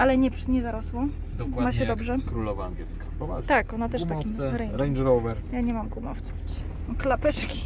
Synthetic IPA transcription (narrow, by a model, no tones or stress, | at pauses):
ʔalɛɲɛpʂɲɛzaɾɔswɔ | d̪ɔwmaɕɛd̪ɔbʐɛkɾulɔvaːŋɡʲjɛlskaɔt̪akɔnat̪ɛʂtt̪aimɛɾɛjɾɛjnd̪ɾɔwvɛɾjaɲɛmamkumɔft̪sɛvɛt͡ɕɛ | mklapɛt͡ʂkʲi̥